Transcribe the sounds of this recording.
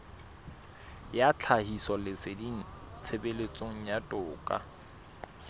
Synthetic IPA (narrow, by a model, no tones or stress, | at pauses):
jat͡ɬʰahisɔlɪsɪdin̩ | t͡sʰebelet͡sʼoŋ̩jatʼʊːkʼa̰